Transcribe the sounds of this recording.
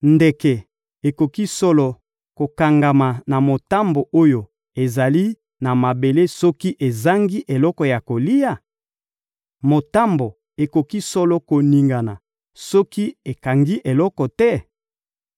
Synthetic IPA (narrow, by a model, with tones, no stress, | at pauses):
nde˨kɛ˨ | e˨ko˨ki˦sɔ˦lɔ˨ | ko˨ka˨ŋɡa˨ma˨na˨mo˨ta˦mbo˨ʔo˦jo˨ | e˨za˨li˦ | na˨ma˨be˨le˦sɔ˦ki˦ʔe˨za˦ŋɡi˦ʔe˨lɔ˦kɔ˨ja˨ko˨li˦ja˨ | mo˨ta˦mbo˨ | e˨ko˨ki˦sɔ˦lɔ˦ko˨ni˨ŋɡa˨na˨ | sɔ˦ki˦e˨ka˨ŋɡi˦ʔe˨lɔ˦kɔ˨tɛ˦